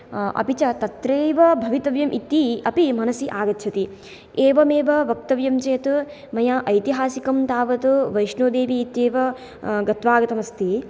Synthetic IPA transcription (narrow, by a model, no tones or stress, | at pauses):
ɐ̰pit͡ʃɐt̪ɐt̪ɾeːʋɐbʱɐʋit̪ɐʋjɐmʔit̪ːiɐpimɐnɐsiʔaːɡɐt̪ːʃʰɐt̪i | eːʋɐmeːʋɐʋɐk̚t̪ɐʋjɐmt͡ʃɐjɐt̪u | mɐjɐʔɐjt̪iɦaːsikɐmt̪aːʋɐt̪uʋɐjʃnoːd̪eːʋiːt̪jeːʋɐ | ɡɐt̪ʋaːɡɐt̪ɐmɐst̪i